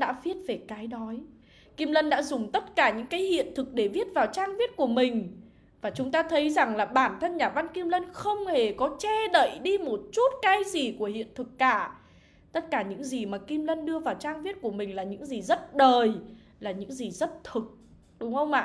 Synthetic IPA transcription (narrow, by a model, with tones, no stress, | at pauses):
ɗa̰ː˧˥vi˦˥ət̚ve˨˩kaː˨˦jɗɔ˨˦j | ki˧mlə˧nɗa̰ː˧˥zʊ˨˩ŋ͡mt̪ə˦˥t̚kaː˧˩ɲɨ̰˧˥ŋkaː˨˦jhḭ˧˨ənt̪ʰɨ˨˩k̚ɗe˧˩vi˦˥ət̚vaː˨˩wt͡ɕaː˧ŋvi˦˥ət̚ku˧˩əmï˨˩ŋ̟ | vaː˨˩t͡ɕʊ˨˦ŋ͡mt̪aː˧t̪ʰə˨˦jza˨˩ŋlaː˨˩ɓaː˧˩nt̪ʰə˧nɲaː˨˩va˧nki˧mlə˧nxə˧wŋ͡mhe˨˩kɔ˨˦t͡ɕɛ˧ɗə̰˧˨jɗi˧mo˨˩t̚t͡ɕu˦˥t̚kaː˨˦jzi˨˩ku˧˩əhḭ˧˨ənt̪ʰɨ˨˩kːaː˧˩ | t̪ə˦˥t̚kaː˧˩ɲɨ̰˧˥ŋzi˨˩maː˨˩ki˧mlə˧nɗɨ˧əvaː˨˩wt͡ɕaː˧ŋvi˦˥t̚ku˧˩əmï˨˩ŋ̟laː˨˩ɲɨ̰˧˥ŋzi˨˩zə˦˥t̚ɗəː˨˩j | laː˨˩ɲɨ̰˧˥ŋzi˨˩zə˦˥t̚t̪ʰɨ˨˩k̚ | ɗʊ˨˦ŋ͡mhə˧wŋ͡mʔa̰ː˧˨